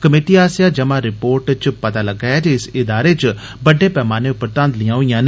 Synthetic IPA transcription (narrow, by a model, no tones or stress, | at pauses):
kəmeːʈiaːsjaːd͡ʒəmãːɾɪpoːɾʈt͡ʃpət̪aːləɡaːɛːd͡ʒeɪsɪd̪aːɾeːt͡ʃ | bəɖeːpɛːmaːneʊpɾt̪ãnd̪lijãːɦoijãːn